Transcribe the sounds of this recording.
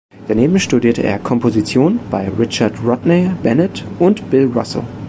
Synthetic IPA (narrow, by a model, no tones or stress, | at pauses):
d̥aneːbm̩ʃtudiːɐtəʔḛːɐkʰɔmpʰozit͡sjoːnb̥aɪʁɪt͡ʃɐtʁɔtneb̥ɛnɛtʔʊntb̥ɪlʁɔ̰sl̩